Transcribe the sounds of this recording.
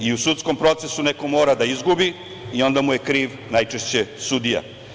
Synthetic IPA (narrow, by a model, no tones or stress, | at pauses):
iusut̪sko̞mpɾo̞t̪se̞sune̞ko̞mo̞ːɾad̪aizɡubi | io̞nd̪amuje̞kɾiːʋ | najt͡ʂe̞ʃt͡ɕe̞sud̪ija̰